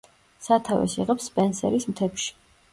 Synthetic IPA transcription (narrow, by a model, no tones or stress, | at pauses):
sat̪ʰavɛ̰siʁɛpspʼɛnsɛɾismt̪ʰɛpʃi̥